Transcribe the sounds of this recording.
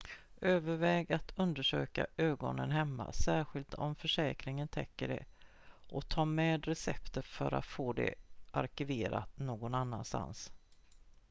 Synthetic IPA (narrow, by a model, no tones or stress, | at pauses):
øːvəɾvɛːɡat̪ʰɵnd̪əʂøːkaʔøːɡɔnənɦɛmːa̰sæːɾɧɪlt̪ʰɔmfœʂɛːkɾɪŋənt̪ʰɛkːəɖɛ̰ | ʔɔt̪ʰɑːmɛːd̪ɾɛsɛpt̪əfœɾa̰t̪foːd̪ɛ̰ʔaɾkɪveːɾat̪noːɡɔnanːanst̪a̰ns